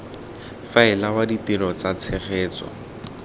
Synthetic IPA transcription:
faɪlawaditilɔt͡sat͡sʰɪχeːt͡sɔ̰

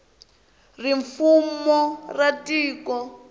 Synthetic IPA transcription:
riɱfumɔratiːkɔ

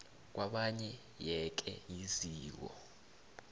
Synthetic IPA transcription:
k̬waɓaɲɛ | jɛk̬ɛ̰jiziːk̬ɔ̰

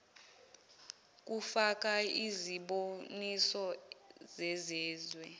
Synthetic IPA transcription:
k̬ʼufak̬ʼaiziɓonisɔzɛzɛːzwɛ

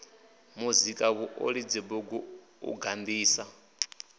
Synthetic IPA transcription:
muzikʼaβuʔo̰ɺid͡zibɔɡu | ṵɡand̪iːsa

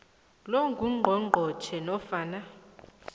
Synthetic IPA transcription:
lɔŋɡʱuŋ͡ǃʱɔŋ͡ǃʱɔt͡ʃʰɛnɔfaːna

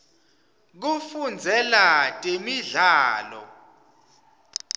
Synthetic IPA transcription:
k̬ufund͡zʱɛlatʼemiɮaːlɔ̰

